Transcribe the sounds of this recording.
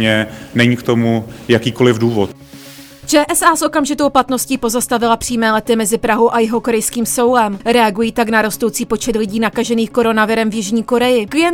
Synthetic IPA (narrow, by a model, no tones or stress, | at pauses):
ɛnɛɲiːkt̪o̞mujakiːkolɪvduːvot̪ | t͡ʃɛːʔɛsaːsʔo̞kamʒɪt̪o̞wplat̪no̞sciːpo̞zast̪avɪlapr̥iːmɛːlɛt̪ɪmɛzɪpɾaɦowʔajɪɦo̞ko̞ɾɛjskiːmso̞wlɛmɾɛaɡujiːt̪aknaɾo̞st̪o̞wt͡siːpo̞t͡ʃɛt̪lɪɟiːnakaʒɛniːxko̞ɾo̞navɪɾɛmvjɪʒɲiːko̞ɾɛjɪkvɪjɛ